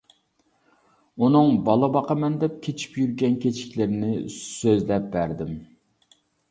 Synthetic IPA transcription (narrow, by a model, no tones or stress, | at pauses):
unɨŋbɑlˠəbɑqʰɑmɛnd̪ɛp̚kʲʰet͡ʃʰi̥pjyɾɡʲɛnkʲʰet͡ʃʰi̥kʲlɪɾɪnɪsøzlɛp̚bæɾd̪ɪm